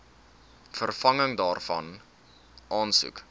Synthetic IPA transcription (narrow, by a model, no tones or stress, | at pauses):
fərfɐŋəŋdɑːrfɐ̰n | ʔɑːnsṵk